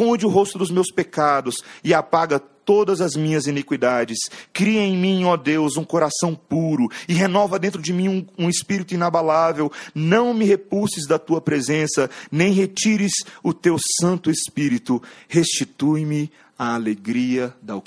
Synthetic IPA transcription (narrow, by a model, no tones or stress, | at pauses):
kõnd͡ʒɪʊɦost̪ʊd̪ʊzmewspekad̪ʊsɪapaɡɐt̪od̪ɐzɐzmĩɲɐzinikwid̪ad͡ʒɪskɾiɐẽj̃mĩod̪ewzũkoɾasɐ̃w̃puɾʊɪɦenɔvɐd̪ẽnt̪̬ɾʊd͡ʒɪmĩũũɪspiɾit̪ʊinabalavewnɐ̃w̃mɪɦepusɪzd̪ɐt̪uɐpɾezẽsɐnẽj̃ɦet͡ʃiɾɪzʊt̪ewsɐ̃nt̪ʊespiɾit̪ʊhest͡ʃit̪ujmɪ | aːleɡɾiɐd̪ɐ